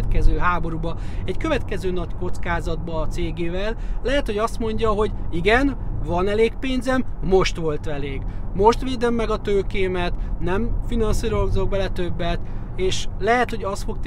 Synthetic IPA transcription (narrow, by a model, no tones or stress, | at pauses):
t̪kɛzøːɦaːbo̞ɾubɒɛɟkø̞vɛt̪kɛzøːnɒcko̞t̪skaːzɒd̪̚bɒːt̪seːɡeːvɛlːɛɦɛt̪ho̞ɟɒst̪mo̞ɲɟɒɦo̞ɟiɡɛnvɒnɛleːkpeːnzɛmːo̞ʃt̪ʋo̞lt̪ʋɛleːɡmo̞ʃt̪ʋeːd̪ømːɛɡɒt̪øːkeːmɛt̪nɛmfinɒnsiːɾo̞zo̞ɡ̚bɛlɛt̪ø̞bːɛt̪ | eːʃlɛɦɛt̪ho̞ɟɒst̪fo̞k̚t̪